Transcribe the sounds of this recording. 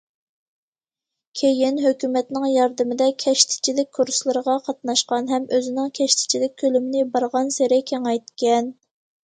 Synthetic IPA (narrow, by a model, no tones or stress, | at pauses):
kʲʰejɪnɦøkʲymɛt̪nɪŋjɑɾd̪ɨmɪd̪ɛkʲʰɛʃt̪ʰɪ̥t͡ʃʰilɪk̚ʲkʰːuɾslˠɨɾəʁɑqʰɑt̪̚nɑʃqɑnɦɛmøzɪnɪŋkʲʰɛʃt̪ʰɪ̥t͡ʃʰilɪk̚ʲkʰːølymɪnɪbɑɾʁɑnseɾɪkʲʰeŋɛjt̪̚kʲʰɛn